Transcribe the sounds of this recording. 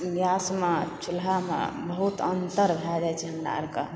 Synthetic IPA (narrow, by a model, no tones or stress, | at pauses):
jasmet͡ʃʰulɦamḛ̃bəɦut̪ənt̪əɾbʱad͡ʒajt͡ʃʰɛɦəmɾa̰ɾkə̰